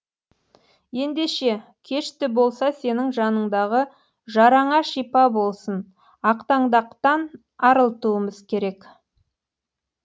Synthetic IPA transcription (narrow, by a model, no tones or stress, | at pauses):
je̞nd̪e̞ʃe̞kʲʰe̞ʃt̪ɪbo̞lˠsɑse̞nɪŋʒɑnəɴd̪ɑʁə | ʒɑɾɑɴɑʃijpɑbo̞lˠsən | ɑqt̪ɑɴd̪ɑqt̪ɑn | ɑɾəlˠt̪uəməzkʲʰe̞ɾe̞k